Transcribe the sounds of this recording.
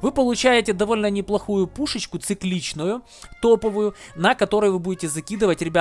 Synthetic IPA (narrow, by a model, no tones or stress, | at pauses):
vɨpəlˠʊt͡ɕæjɪtʲɪd̪ɐvo̞lʲnənʲɪplˠɐxujʊpuʂɨt͡ɕkʊt̪sɨklʲit͡ɕnʊjʊ | t̪o̞pəvʊjʊnɐkɐt̪o̞ɾəjvɨbudʲɪtʲɪzɐkʲid̪ɨvətʲɾʲɪbʲa